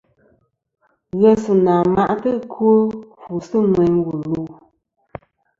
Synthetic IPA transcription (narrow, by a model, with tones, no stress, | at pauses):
ɣɛ˦sɨ˨naː˨ma˦ʔtɨ˦kʰwo˦fu˨sɨ˦nwɛ˨ɲ˦wu˨lu˦˨